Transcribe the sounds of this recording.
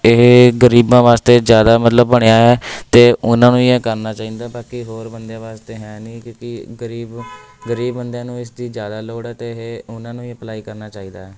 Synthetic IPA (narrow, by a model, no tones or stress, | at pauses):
ɪɦɡəɾiːbãːʋaːst̪eːd͡ʒjaːd̪aːmət̪ləbːəɽ̃eaːɦɛːt̪eːʔʊnãːnũːɪɛ̃ːkəɾnaːt͡ʃaːĩːnd̪aːbaːkiɦoːɾbənd̪jãːʋaːst̪eːɦɛ̃ːnĩːkjõːkɪɡəɾiːb | ɡəɾiːbːənd̪jãːnũːɪsd̪iːd͡ʒjaːd̪aːloːɽɛːt̪eːɦʊnãːnũːɛ̃ːpəlaːiːkəɾnaːt͡ʃaːiːd̪aːɛː